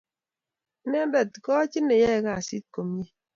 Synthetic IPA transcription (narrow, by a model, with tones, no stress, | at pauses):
ne˦bɛ˨tkɔ˦t͡ʃi˦nːe˨jɛ˦˨ɣa˦˨a˨si˦t̚ko˨m˦je˦